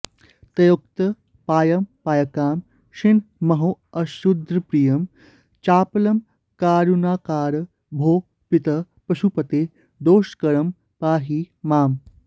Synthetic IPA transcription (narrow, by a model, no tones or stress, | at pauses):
t̪ɐjok̚t̪ɐ | paːjɐmpaːjɐkaːm | ʃinmɐɦoːɐʃud̪ɾɐpɾijɐm | t͡ʃaːpɐlɐm | kaːɾunaːkaːɾ | bʱoː | pit̪ɐ | pɐʃupɐt̪eː | d̪oːʃkɐɾɐm | paːɦiːmaːm